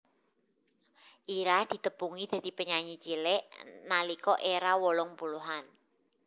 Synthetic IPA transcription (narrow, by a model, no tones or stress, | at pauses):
ʔiɾad̪̥i̤t̪əpuŋid̪̥a̤d̪̥i̤pəɲaɲit͡ʃilɛʔnalikɔʔeɾawɔlɔŋpuluɦan